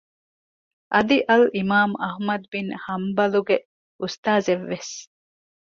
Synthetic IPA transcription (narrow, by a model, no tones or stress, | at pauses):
ʔɐd̪iʔɐlimaːmɐhmɐd̪ubinhɐmbɐluɡe | ust̪aːzeʋːes